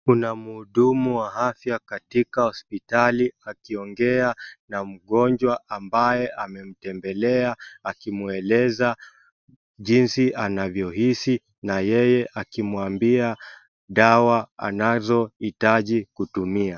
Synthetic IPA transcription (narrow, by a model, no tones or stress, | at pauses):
kunamuːɗumuwaɦafjakatikahɔspitaliakiɔŋɡɛanam̩ɠɔɲd͡ʒwaʔambajɛʔamɛm̩tɛmbɛlɛaːkimuɛlɛza | ʄinsiʔanavjɔɦisi | najɛjɛʔakimuambia | ɗawaa̰nazɔitaʄikutumia